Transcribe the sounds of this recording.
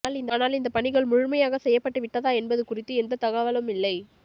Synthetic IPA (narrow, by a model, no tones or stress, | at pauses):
aːlɪnd̪aːnaːlɪnd̪ɐpɐɳɪɣɐɭmʊɻʊmɐjaːɣɐsɛjːɐpːɐʈːɯʋɪʈːɐðaːɛnbɐðɯkʊrɪt̪ːɯɛnd̪ɐt̪ɐɣaʋɐlɯmɪlːɐɪ